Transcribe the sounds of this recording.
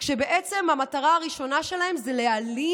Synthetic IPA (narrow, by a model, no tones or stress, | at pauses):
kʃebe̞ʔet͡se̞mhamataʁaaʁiʃo̞naʃe̞lahe̞mzeleali